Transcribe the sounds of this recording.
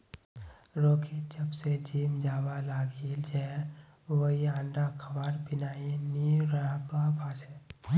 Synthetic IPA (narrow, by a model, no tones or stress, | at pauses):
ɾoːkʰid͡ʒəbsed͡ʒiːmd͡ʒaːwalaːɡiːld͡ʒɛ | ʋəɦiãːɳɖakʰɐbaːɾbɪnaːiniɾaɦbabʱaːd͡ʒɛː